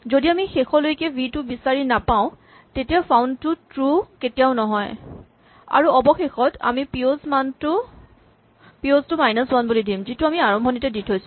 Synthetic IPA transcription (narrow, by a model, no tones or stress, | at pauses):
zodiamixexɔlojkɛbʱitʊbisaɹinapaʊ̃ | tetijapʰawntʊtɹuketijaʊnɔɦɔj | a̰ɹuɔbɔxexɔta̰mipiozmantʊ | pioztʊmajnɔswanbulidimzitʊamiaɹɔmbʱɔnitɛditʰojsʊ̥